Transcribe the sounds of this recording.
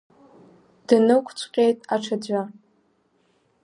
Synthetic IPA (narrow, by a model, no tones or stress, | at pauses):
d̥ɨnɨkʷʰʼt͡ɕʷʰqʲʼejtʼaʈ͡ʂʰad͡ʑʷa